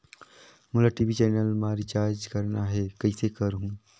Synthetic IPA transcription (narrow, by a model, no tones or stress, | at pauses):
mʊlaʈiːʋit͡ʃɛːnəlmaːɾit͡ʃaːɾd͡ʒkɐɾnaɦɛːkɐisekəɾɦũː